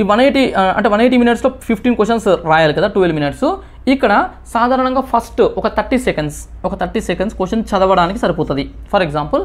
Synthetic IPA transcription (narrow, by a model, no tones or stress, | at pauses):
iːʋɐnejʈiɐ̰ɳʈeʋɐnejʈ̬iminiʈsloːpʰipʰʈiːnkesʂɐnsɾaːjaːlukɐd̪aːʈuːʋelminiʈsu | ikːɐɽɐ | saːd̪ʱaːɾɐɳɐŋɡaːpʰɐsʈɔkɐt̪ʰɐɾʈːisekɐɳɖsɔkɐt̪ʰɐɾʈːisekɐɳɖskʋeʂɐnt͡ʃɐd̪ɐʋɐɽaːnikisɐɾipɔːt̪ɐd̪ipʰɐɾeɡzaːmpɐl